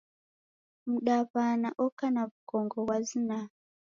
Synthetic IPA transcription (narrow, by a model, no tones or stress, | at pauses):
muɗapanaʔɔkanaβukɔŋɡɔwazina